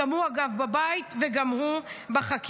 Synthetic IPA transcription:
amuaɡavbabait̪veɡamhubaχak

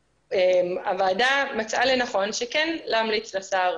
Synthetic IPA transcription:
emavaːdamat͡sʔalenaχo̞nʃekɛnlamlit͡slasaʁ

